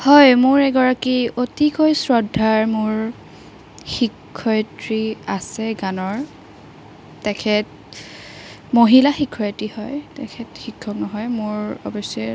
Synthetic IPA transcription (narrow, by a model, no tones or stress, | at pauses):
hɔjmʊɹɛɡɔɹakiotikojsɹɔdʱːaɹmʊɹ | xikʰːɔjtɹiasɛɡanɔɹ | tɛkʰɛt | moɦilaxikʰːɔjtihɔjtɛkʰɛtxikʰːɔknɔɦɔjmʊɹɔbɔsɔɛ